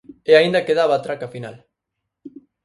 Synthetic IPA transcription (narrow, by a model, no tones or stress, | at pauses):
eaind̪akeðaβaːt̪ɾakafina̰l